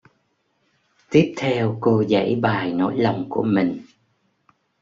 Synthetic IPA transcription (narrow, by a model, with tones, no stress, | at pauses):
t̪i˦˥əp̚t̪ʰɛ˧wko˧zə̰˧˥jɓaː˨˩jno̰˧˥˦jla˨˩wŋ͡mku˧˩əmï˨˩ŋ̟